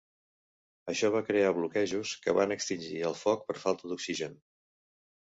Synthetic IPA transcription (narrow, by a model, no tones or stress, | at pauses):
əʃɔβ̞akɾeaβlukɛʒuskəβa̰nəkst̪inʲd͡ʒiəlˠfɔk̚pəɾfalˠt̪əðuksiʒən